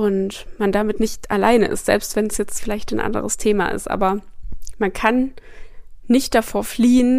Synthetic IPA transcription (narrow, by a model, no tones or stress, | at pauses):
ʔʊntmandamɪtnɪçtʔala̰ɪnə̰ʔɪ̰stz̥ɛ̰lpstv̥ɛnsjɛt͡stfɪlaɪçtanʔa̰ndə̰ʁəstʰeːma̰ʔɪ̰stʔa̰ːbɐmankʰanː | ɪçt̚d̥afoːɐfliːən